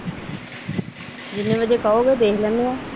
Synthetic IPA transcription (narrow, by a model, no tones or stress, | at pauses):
d͡ʒɪnːẽːʋəd͡ʒeːkaoːɡeːd̪eːkʰlɛːnːũːaː